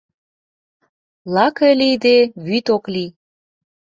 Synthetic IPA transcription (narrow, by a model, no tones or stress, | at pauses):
lɑkelid̪eβyt̪okli